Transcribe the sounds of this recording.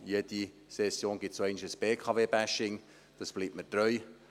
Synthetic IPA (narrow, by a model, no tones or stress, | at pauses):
jɛd̥i | sɛsjoːnɡ̥ɪtsoɛɪnʃəsb̥eːkʰɑveːbæʃɪŋ | d̥ɑsb̥liːp̚məd̥rœʏ